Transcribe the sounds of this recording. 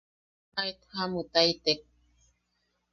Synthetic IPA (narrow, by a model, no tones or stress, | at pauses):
ajt̪hamut̪ait̪ek̚